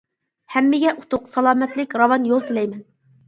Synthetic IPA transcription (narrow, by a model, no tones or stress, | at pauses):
hɛmːɪɡʲɛʔut̪ʰʊqsɑlˠɑːmɛt̪lɪkʲɾɑwɑnjolˠt̪ʰɪlɛjmɛn